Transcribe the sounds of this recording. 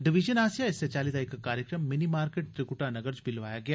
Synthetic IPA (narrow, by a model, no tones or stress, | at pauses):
ɖɪʋɪʒənaːsijaɪsːet͡ʃaːliːd̪aikːakaːɾjəkɾəmːɪnimaːɾkeːʈ̚ʈ̪ɾɪkʊʈanɐɡəɾd͡ʒbʱilʋaːjaɡɐjaː